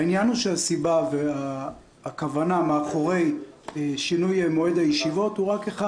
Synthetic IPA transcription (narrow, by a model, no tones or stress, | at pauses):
injanuʃeasibaveaː | kavanameaχo̞ʁe̞j | ʃinujemo̞edhajeʃivo̞thuʁakeχa